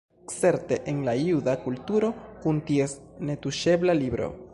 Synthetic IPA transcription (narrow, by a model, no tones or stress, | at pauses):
kse̞ɾte̞ʔenlajudakultuɾo̞kuntie̞sne̞tuʃe̞blalibɾo̞̰